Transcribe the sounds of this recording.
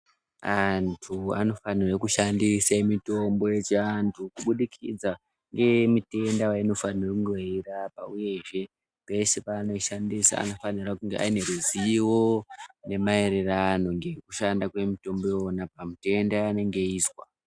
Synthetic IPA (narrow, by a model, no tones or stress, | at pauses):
antʰua̰no̞fanirekuʃandisaemito̞mbo̞jet͡ʃantʰukuɓuɗikʰḭd͡za | ŋɡe̞mite̞ndawaino̞fanirokuŋɡoirapauje̞ʒe̞ | pe̞sepaːno̞ʃandisa̰a̰no̞fanirakuŋɡeʔa̰ine̞ɾuziwo̞ne̞maeɾe̞ranoŋɡe̞kuʃandakwe̞mito̞mbo̞jonapamute̞ndajane̞ŋɡe̞iːzwa